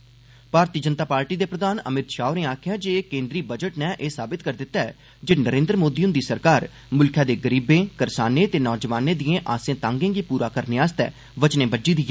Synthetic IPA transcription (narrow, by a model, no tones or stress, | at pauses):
paːɾt̪iːd͡ʒənt̪aːpaːɾʈiːd̪eːpɾəd̪aːnə̰mɪt̪ʃaːʊneːaːkʰɪjaːd͡ʒeːkẽːnd̪ɾiːbəd͡ʒəʈnɛːʔeːsaːbɪt̪kəɾd̪ɪt̪ːaːɛː | d͡ʒeːnəɾẽːnd̪ɾəmoːd̪iːʊ̃nd̪iːsəɾkaːɾ | mʊlkʰjaːd̪eːɡəɾiːbẽːkəɾsaːnẽːt̪eːnɔːd͡ʒəʋaːnẽːd̪ijẽːʔaːsẽːt̪ãːŋɡẽːɡiːpuːɾaːkəɾneːaːst̪ɛ̰ː | ʋət͡ʃnẽːbəd͡ʒiːd̪iːɛː